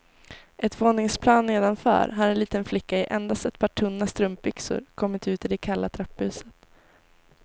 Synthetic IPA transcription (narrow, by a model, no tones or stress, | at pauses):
ʔɛt̪voːnɪŋspʰlɑːnːeːd̪anfœ̰ːɾɦaɾɛnliːt̪ənflɪkːaɪʔɛnd̪ast̪ɛt̪̚pʰɑːʈʰɵnːast̪ɾɵmp̚bʏksʊ̰ɾkʰɔmːɪt̪ʉ̟ːt̪ɪd̪ɛkʰalːat̪ʰɾɛpːʉ̟ːsə̥t̪